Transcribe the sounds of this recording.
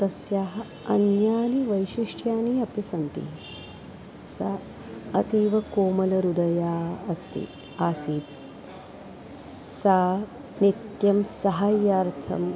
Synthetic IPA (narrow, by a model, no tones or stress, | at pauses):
t̪ɐsjaːɦɐ | ɐnjaːniʋɐjʃiʂʈjaːniɐpisɐnt̪ḭ | sɐ | ɐt̪iːʋɐkoːmɐlɐɾud̪ɐjaːɐst̪ḭ | aːsiːt̪ | saː | nit̪jɐmsɐɦɐjaːɾt̪ʰɐ̰m